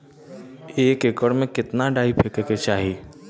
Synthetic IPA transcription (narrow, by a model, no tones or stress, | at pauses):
eːkekəɽmẽkɪt̪naɖaːipʰɪkeket͡ʃaːɦiː